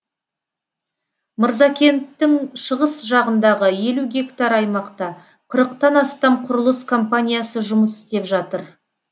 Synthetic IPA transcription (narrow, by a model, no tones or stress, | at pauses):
məɾzɑkʲʰe̞nt̪ːɪŋʃəʁəsʒɑʁənd̪ɑʁəje̞luɡʲe̞kt̪ɑɾɑjmɑqt̪ɑ | qʰəɾəqt̪ɑnɑst̪ɑmqʰʊɾəlˠəskʰo̞mpanʲijasəʒʊməsɪ̥st̪e̞pʒɑt̪əɾ